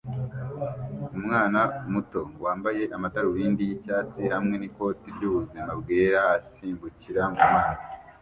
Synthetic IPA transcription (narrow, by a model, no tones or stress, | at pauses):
umŋaːnamuto̞waːmbaje̞ʔamataɾuwiːndijicaːt͡sihamŋe̞niko̞ːtibɟuβuzimabɡe̞ːɾaːsiːmbuciɾamumŋaːzi